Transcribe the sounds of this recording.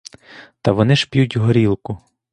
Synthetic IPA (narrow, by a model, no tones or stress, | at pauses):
t̪ɐʋɔnɪʃpʲjutʲɦɔɾʲilˠkʊ